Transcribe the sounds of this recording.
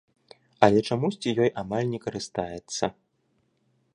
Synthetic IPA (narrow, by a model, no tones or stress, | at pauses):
ɐlʲɛt͡ʂamusʲt͡sʲijɔjʔamalʲnʲɛkɐɾɨst̪ajɛt̪sːɐ